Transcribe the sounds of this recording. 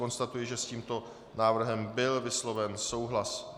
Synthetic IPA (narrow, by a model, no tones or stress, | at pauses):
o̞nst̪at̪ujɪʒɛsciːmt̪o̞ | naːvr̩ɦɛmbɪlvɪslo̞vɛnso̞wɦlas